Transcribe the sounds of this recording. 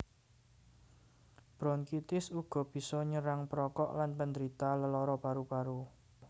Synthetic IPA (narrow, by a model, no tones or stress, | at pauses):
b̥ɾɔnkit̪ɪsuɡ̥ɔ̤b̥i̤sɔɲəɾaŋpɾɔkɔʔlanpənd̪əɾit̪aləlɔɾɔb̥aɾub̥aɾu